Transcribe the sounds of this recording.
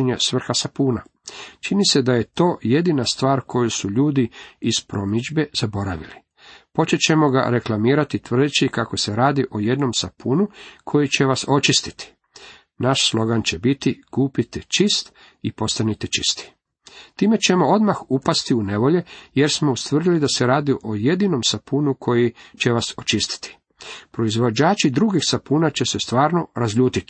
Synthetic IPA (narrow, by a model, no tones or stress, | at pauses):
ɲesʋr̩xasapuːnat͡ʃinise̞d̪aje̞t̪o̞ːje̞d̪inast̪ʋaːɾkʰo̞jusuʎuːd̪iispɾo̞mid͡ʒbe̞z̥abo̞ɾaʋḭli | po̞t͡ʃet͡ɕe̞mo̞ɡa̰ɾe̞klˠamiːɾat̪it̪ʋr̩d̪et͡ɕikako̞se̞ɾaːd̪iʔo̞je̞d̪no̞msapʰuːnukʰo̞jit͡ɕe̞ʋaso̞t͡ʃist̪i̥t̪i̥ | naʃslˠo̞ɡant͡ɕe̞bit̪ikuːpit̪et͡ʃist̪ | ipo̞st̪anit̪et͡ʃḭst̪i̥ | t̪iːme̞t͡ɕe̞mo̞o̞d̪maxupast̪iune̞ʋo̞ʎe̞je̞ɾsmo̞ust̪ʋr̩d̪ilid̪ase̞ɾaːd̪iʔo̞je̞d̪iːno̞msapʰunukʰo̞jit͡ʃe̞ʋaso̞t͡ʃist̪i̥t̪i̥ | pɾo̞izʋo̞d͡ʑaːt͡ʃid̪ɾuɡixsapuːnat͡ɕe̞se̞st̪ʋaːɾno̞ɾazʎuːt̪it̪i̥